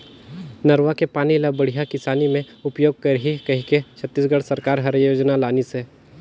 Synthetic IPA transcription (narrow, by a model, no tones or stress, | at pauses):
nɐɾʋakepaːniɐləbbɐɽ̤ijakɪsaːnimẽ | ʊpjoːɡ̚kəɾɦikɐɦiket͡ʃʰət̪ːiːsɡəɽsɐɾkaːɾɦɐɾjoːd͡ʒnalaːnise